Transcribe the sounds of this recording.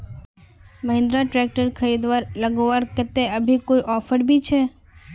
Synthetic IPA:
məɦɪ̃nd̪ɾaʈɾɛk̚ʈəɾkʰəɾiːd̪ʋaːɾləɡoʋaɾkət̪eəbʱikoiʔɔːfʰəɾbʱit͡ʃʰe

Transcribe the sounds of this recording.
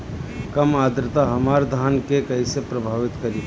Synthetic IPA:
kɐmaːd̪ɾɪt̪aɦɐmaːɾd̪ʱaːnkekɐisepɾɐbʱaːʋɪt̪kɐɾi

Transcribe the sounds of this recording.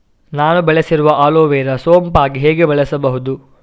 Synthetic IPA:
naːnubɐɭesiɾuʋɐʔaːloːʋɛːɾɐsoːmpaːɡiɦeːɡebɛɭɛsɐbɐɦud̪u

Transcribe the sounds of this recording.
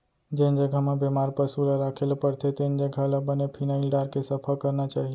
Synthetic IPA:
d͡ʒend͡ʒəɡʱamãbemaɾpəsulaɾakʰelpəɾt̪ʰet̪end͡ʒəɡʱalabənepʰinaɪlɖaɾkesəpʰakəɾnat͡ʃaɦi

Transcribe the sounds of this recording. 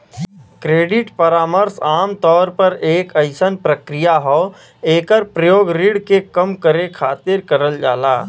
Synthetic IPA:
kɾeːɖɪʈpəɾaːməɾsaːmt̪ɔːɾpɐɾeːkəɪsənpɾəkɾijaɦɔː | eːkəɾpɾəjoːɡɾiːɽkekəmkəɾekʰaːt̪ɪɾkəɾəld͡ʒa̰ːlaː

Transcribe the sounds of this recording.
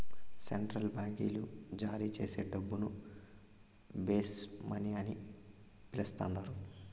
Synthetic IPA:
seɳʈɾɐlbaːŋɡḭːlud͡ʒaːɾiːt͡ʃe̞ːse̞ːɖɐbːunu | beːsmɐniɐni | pilɐst̪a̰ːnd̪aːɾu

